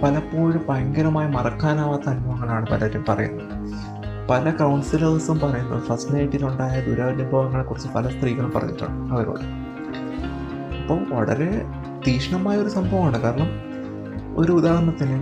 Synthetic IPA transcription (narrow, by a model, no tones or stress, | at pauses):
pɐlɐpːoːɻɨpɐjɐŋɡɐɾɐmaːjimɐrɐkːaːnaːʋat̪ɐnmɐɐŋːɐɳejaːɳɨpɐ̰lɐɐtːjɐmpɐrɐ̰jṵnːɐðɨɨ | pɐlɐkɐwɳsilɐrsumpɐrɐjunːɐ̰ðɨfɐrsʈɨnɐjʈːiluɳɖaːjɐd̪uɾaːʋɐd̪jɐmboːɐŋːɐɳe̞kurit͡ɕːɨpɐlɐst̪riːɣɐɭumpɐrɐ̰ɲːḭʈːa̰ːɳɨɐʋɐɾo̰ːɽɨ | ipːoːʋɐ̰ɭɐ̰ɾe̞ | d̪iːʂɐɳɐmaːjɐo̞ɾusɐmbʱɐʋɐmaːɳɨkaːɾɐlɐm | o̞̰ɾuːd̪aːɦɐɳːɐt̪ːinɨ